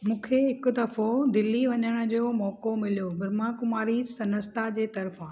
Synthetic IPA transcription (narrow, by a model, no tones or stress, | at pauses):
mũːkʰeɦɪkʊ̆d̪ɐfod̪ɪlːiʋɐɲəɽ̃̆d͡ʑoːmɔːkomɪlijobɪɾmakʊmaːɾisɐnəst̪ad͡ʑeːt̪ɐɾfã